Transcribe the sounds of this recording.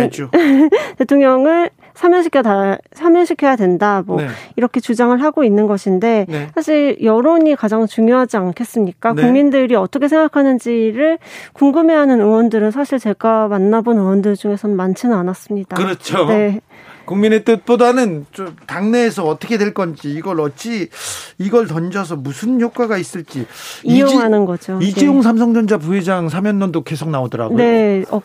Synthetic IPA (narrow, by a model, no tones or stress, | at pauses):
note̞tʰoŋɲʌŋɯɭ | sʰamjʌŋɕʰikʰeasʰamjʌŋɕʰikʰe̞jadwe̞ndamʌiɾʌkʰe̞t͡ɕud͡ʑaŋɯɭɦaɡoinːɯnɡʌɕʰinde̞nsʰaɕʰiɭjʌɾoɲikad͡ʑaŋt͡ɕuŋjoɦad͡ʑiankʰe̞s͈ɯmɲik͈anuŋmindɯɾiʌt͈ʌkʰesʰe̞ŋɡakʰanɯnd͡ʑiɾɯɭkuŋɡɯme̞ɦanɯnɯwʌndɯɾɯnsʰaɕʰiɭt͡ɕe̞ɡamanːabonɯwʌndɯɭd͡ʑuŋe̞sʰʌnɯnmant͡ɕʰɯnɯanas͈ɯmɲid̥akɯɾʌt͡ɕʰone̞ | kuŋminet͈ɯt̚p͈odanɯnt͡ɕomtaŋne̞ːsʰʌːt͈ʰʌkʰe̞dwe̞ɭk͈ʌnd͡ʑiːɡʌɾʌt͡ɕ͈iiɡʌɭtʌnd͡ʑʌs̬ʰʌmusʰɯnçok͈waɡais͈ɯɭt͡ɕ͈iijoŋɦanɯnɡʌd͡ʑoid͡ʑijoŋsʰams̬ʰʌŋd͡ʑʌnd͡ʑapuɦed͡ʑaŋs̬ʰamjʌnːʌndoke̞s̬ʰok̚naodʌɾa̰ɡne̞ʌ